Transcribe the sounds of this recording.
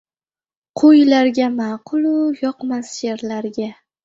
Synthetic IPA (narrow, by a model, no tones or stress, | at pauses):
qʰojlaɾɡʲamɑːqʰʊlˠʊjɒqmasjeɾlaɾɡʲa